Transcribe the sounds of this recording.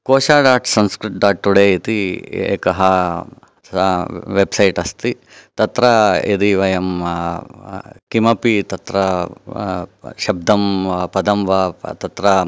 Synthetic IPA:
koːʃaːɖaːʈsɐnskɾiʈ̚ɖaːʈ̚ʈuɽeːit̪iḛːkɐɦɐ | ʋebsɐjʈɐst̪i | t̪ɐt̪ɾɐed̪iʋɐjɐm | kimɐpit̪ɐt̪ɾɐ | ʃɐb̚d̪ʱɐmpɐd̪ɐmʋɐt̪ɐt̪ɾɐ

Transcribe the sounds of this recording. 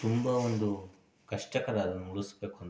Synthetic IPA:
t̪umbɐond̪u | kɐʂʈɐkɐnaːɐd̪ɐnːuuɭusbeːkuɐnd

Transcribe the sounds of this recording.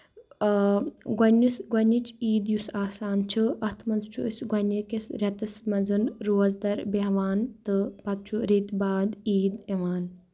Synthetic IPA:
ɡɐnʲisɡɐnʲːit͡ʃʰiːd̪jusaːsaːnt͡ʃʰɨɐht̪ʰmɐnzt͡ʃʰuəsɡɐnɐkesɾʲɐt̪ɨsmɐnzɨnɾoːzd̪ɐɾbeɦʋaːnt̪ɨpɐt̪̚t͡ʃʰuɾiːt̪baːd̪iːd̪eʋaːn

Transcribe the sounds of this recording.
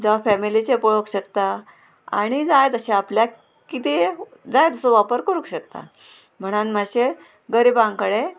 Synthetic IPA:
d͡zaʋafæmilit͡ɕepəɭ̤okɕəkt̪a | a̰ɽ̃id͡zajt̪əɕeaplja | kit̪e | d͡zajt̪əsəʋapəɾkəɾukɕək̚t̪a̰ | m̤əɽ̃anmaɕe | ɡəɾiːbãŋkəɽe

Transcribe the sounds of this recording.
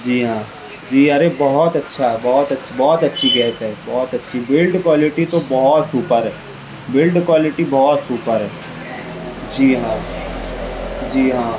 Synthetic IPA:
d͡ʒiːɦãː | d͡ʒiːɐɾebɔɦɔt̪ɐtːʃʰaɛbɔːɔt̪ɐtːbɔːt̪ɐtːʃʰiɡɛːsɦɛːbɔːt̪ɐtːʃʰibɪlɖkwaːlɪʈit̪obɔɦɔt̪suːpəɾɦɛː | bɪlɖkwaːlɪʈibɔːt̪suːpəɾɦɛː | d͡ʒiːɦãː | d͡ʒiːɦãː

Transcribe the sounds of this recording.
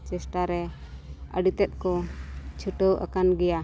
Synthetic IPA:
t͡ʃɛsʈaɾɛ | ə̰ɖit̪ɛt̪̚ˀkɔt͡ʃʰuʈəwa̰kanɡɛja

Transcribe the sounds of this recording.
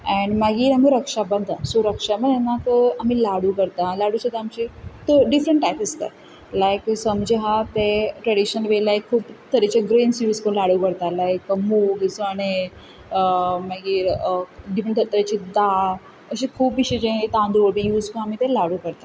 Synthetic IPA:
ɛ̃ɳmaɡiːɾamiɾəkʂabənd̪ʱsuɾəkʂaməd̪ɛnakəam̤iːlaɽukəɾt̪alaɽut͡ɕed̪aːmt͡ɕit̪əɖifɾə̃ɳʈːajpist̪a̰ | lajksəmd͡ʑeɦat̪eʈɾɛɽiɕənʋelajkʰːuːpt̪əɾet͡ɕeɡɾẽnsiɾiskəlaɽukəɾt̪alajkmuɡzəɽe | əmaɡiːɾɖifə̃ɳʈ̪ət̪əɾet͡ɕid̪a | əɕikʰuːpːiɕed͡ʑẽet̪ãnd̪uʋəɾbijuːd͡zkə̃amit̪elaɽukəɾt̪a

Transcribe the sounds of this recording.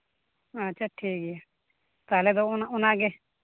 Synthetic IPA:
əːʃʰaːʈʰiːkija | t̪aːled̪onaʊnãːɡe

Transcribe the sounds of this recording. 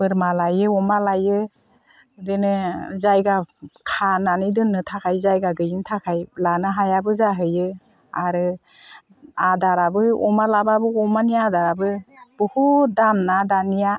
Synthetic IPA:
bɯɾmalajɯɔmalajɯ | denɯzajɡakʰananɯjdɯnːɯtʰakʰajzajɡaɡɯjɯntʰakʰajlanɯɦajabɯzaɦɯjɯ | aɾɯ | adaɾabɯɔmalababɯɔmanijadaɾabɯb̥ɯhudamnadanija

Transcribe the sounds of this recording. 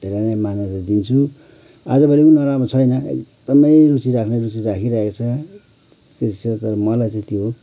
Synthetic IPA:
d̪ʱeɾanamanalad̪int͡sʰu | a̰d͡zʌbʱʌɾikunʌɾamat͡sʰʌjnʌḛkd̪̥ʌmʌjɾut͡siɾakʰnʌɾut͡siɾakʰiɾʌɦekot͡sʰʌ | ket͡sʰʌt̪ʌɾʌmʌlajt͡saĩt̪jo

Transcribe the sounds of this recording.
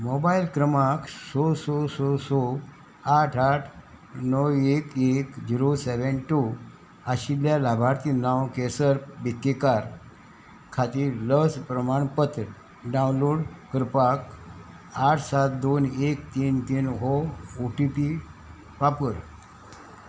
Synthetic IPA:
mobailkɾəmaksososɔso | aʈʰaʈʰ | nəwekekd͡ʑiɾosɛʋenʈu | aɕiljalabʱaɾt̪inawkesəɾpbit̪ːikaɾ | kʰat̪iːɾləspɾəmaɳpət̪ɾ | ɖaw̃nloɽkəɾpak | aʈʰsat̪̚d̪onekt̪iːnt̪iːnɦɔoʈipi | papəɾ

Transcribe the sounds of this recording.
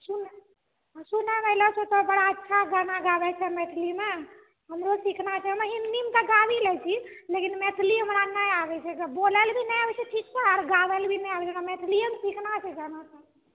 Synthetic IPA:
sun | sunɛməlɔt͡ʃʰɛt̪ɔbəɽaətːʃʰaɡanaɡabɛt͡ʃʰɛmet̪ʰlime | ɦəmɾosikʰnat͡ʃʰɛɦəmɦinnimt̪ɔɡabilɛt͡ʃʰilekinmet̪ʰliɦəmɾanəjabɛt͡ʃʰɛbolɛlbʱinɛjabɛt͡ʃʰɛʈʰik̚t͡ʃʰɛaɾɡabɛlbʱinɛjabɛt͡ʃʰɛnamet̪ʰliəmsiknat͡ʃʰɛd͡ʒanasa

